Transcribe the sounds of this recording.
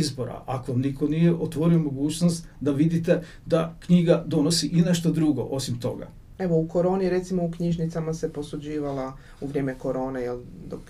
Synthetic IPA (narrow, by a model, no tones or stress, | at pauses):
izbo̞ɾa̰ʔa̰koʋamnikonijeʔot̪ʋo̞ɾiomo̞ɡuːt͡ʃnost̪d̪aʋid̪it̪e | d̪akɲiɡad̪o̞nosiʔine̞ʃt̪od̪ɾuɡo̞̰ʔo̞simt̪o̞̰ɡa̰ | e̞ʋouko̞ɾo̞ːniɾe̞t̪simoukɲiʒnit̪samase̞po̞sud͡ʑiːʋala | uʋɾʲje̞ːmeko̞ɾo̞ːnejeld̪o̰k